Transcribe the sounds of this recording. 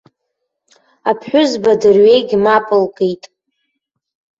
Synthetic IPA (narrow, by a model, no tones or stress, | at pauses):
apʰħʷᶣʊzbadɨrɥe̞jɡʲmapʼɨlkʼejtʼ